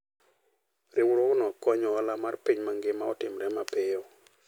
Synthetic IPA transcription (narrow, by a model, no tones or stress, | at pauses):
rɪwɾɔknɔkɔɲɔalamarpiɲmaŋɡɪmaɔtɪmɾɛmapɪɔ